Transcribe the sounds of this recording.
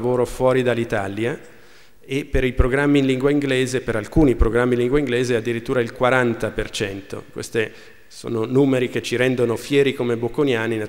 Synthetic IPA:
voːɾofwɔːɾid̪alːit̪alja | epːeɾipɾoɡɾamːinliŋɡwaiŋɡleːzepeɾalkuːnipɾoɡɾamːinliŋɡweiŋɡleːzead̪ːiɾit̪ːuːɾailkwaɾant̪apert͡ʃɛnt̪o̰kwḛst̪e | so̰ːnonuːmeɾik̟et͡ʃːiɾɛnd̪onofjɛːɾikomebokonjaːnina

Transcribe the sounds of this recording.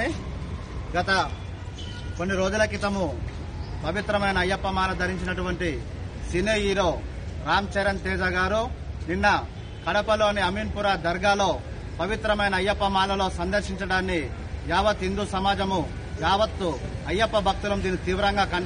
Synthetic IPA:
ɡɐt̪ɐ | ko̞nːiɾoːd͡ʒ̪ulɐkit̪ɐmu | pɐʋit̪ɾɐmɐjnɐːjːɐpːɐmaːlɐd̪ʱɐɾiɲt͡ʃinɐʈuʋɐɳʈi | sineːjiːɾoːɾaːmt͡ʃɐɾɐnt̪ɛːd͡ʒaːɡaːɾuninːɐ | kɐɽɐpɐloɐniɐmiːnpuɾaːd̪ɐɾɡaːlo̞ː | pɐʋit̪ɾɐmɐjnɐːjːɐpːɐmaːlɐlo̞ːsɐnd̪ɐɾʃiɲt͡ʃɐɽaːnːi | jaːʋɐt̪ːind̪usɐmaːd͡ʒɐmu | jaːʋɐt̪ːuɐjːɐpːɐbʱɐk̚t̪ulɐmd̪iːnit̪iːʋɐɾɐŋɡaːkɐ

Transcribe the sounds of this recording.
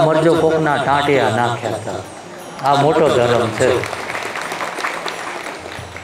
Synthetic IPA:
məɾd͡ʒoːpoːknaːʈãːʈeːãːnaːkʰjãːt̪ʰaː | aːmoːʈoːd̪ʱəɾəmt͡ʃʰe

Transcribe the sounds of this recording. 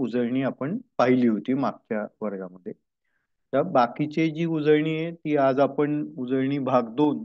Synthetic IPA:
ud͡zəɾɳiːapəɳpaɦiliːɦot̪iːmak̚t͡ɕjaʋəɾɡaməd̪ʱːje | t̪abakit͡ɕed͡ʑiːud͡zəɾɳiːjet̪iːad͡zapəɳud͡zəɾɳiːbʱaɡd̪on

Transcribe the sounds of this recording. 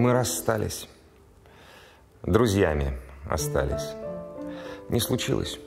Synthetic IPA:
mɨɾɐst̪alʲɪ̰sʲ | d̪ɾʊzʲjamʲɪɐ̰st̪a̰lʲɪsʲ | nʲʔɪslˠʊt͡ɕilˠə̰sʲ

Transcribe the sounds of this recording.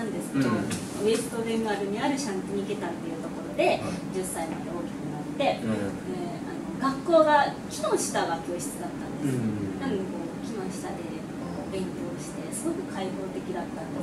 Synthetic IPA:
nãnd̪e̞sɨ̥kd̪o | βe̞sɯ̥t̪o̞d̪e̞mɯ̟aɾɯ̟ɲ̟iaɾɯ̟ɕãnt̪oɲ̟ike̞t̪ãnt̪e̞jɯ̟ːt̪o̞ko̞ɾo̞d̪e̞d͡ʑɨsːaimad̪e̞o̞ːkʲi̥kɯ̟nat̪ːe̞ | e | anoɡakːo̞ːɡakʲinõ̞ɕi̥t̪aɡakʲo̞ːɕi̥t͡sɨd̪at̪ːãnd̪esɨonãnkoːkʲinõ̞ɕi̥t̪ad̪e̞ | kobẽ̞ŋkʲo̞ːɕi̥t̪e̞sɨɡo̞kɯ̟kʰaiho̞ːt̪e̞kʲid̪at̪ːãnd̪e

